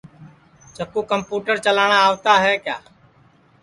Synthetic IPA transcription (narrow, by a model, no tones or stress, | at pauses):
t͡ʃəkuːkəmpuːʈəɾt͡ʃəlaːɳ̃aːaːʋt̪aːɦɛːkjaː